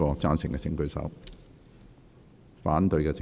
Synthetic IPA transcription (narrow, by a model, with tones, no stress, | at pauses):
ɔː˧t͡saː˥nsɪ˨ŋkɛː˧t͡sɪ˧ŋkɵ˧ɥsɐ̰˨˥w | faː˨˥nt̪ɵ˧ɥkɛː˧t͡sɪ˧